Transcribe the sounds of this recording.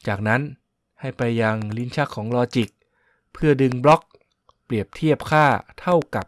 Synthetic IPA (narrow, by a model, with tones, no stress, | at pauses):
t͡ɕaː˨˩k̚na˦˥n | ha˥˩jpa˧jːa˧ŋli˦˥nt͡ɕʰaː˥˩kʰːɔː˩˦ŋlɔː˧t͡ɕi˨˩k̚ | pʰɯ˥˩ɐdɯ˧ŋblɔ˦˥k̚ | pli˨˩əp̚t̪ʰi˥˩əp̚kʰaː˥˩t̪ʰa˥˩wka˨˩p̚